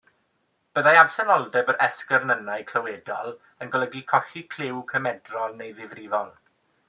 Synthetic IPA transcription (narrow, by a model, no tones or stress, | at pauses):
b̥əðajab̥sɛnɔlˠdɛbəɾʔɛskərnənajkʰl̥əwɛːdɔlˠ | ənɡɔlˠəɡikʰɔxikʰl̥ɪwkʰəmɛdrɔlˠnejðɪvrɪvɔlˠ